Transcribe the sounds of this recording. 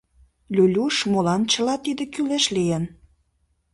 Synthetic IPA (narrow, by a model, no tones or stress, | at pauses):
lʲylʲuʃmolɑnt͡ɕə̆lɑt̪id̪ĕkyleʃlijən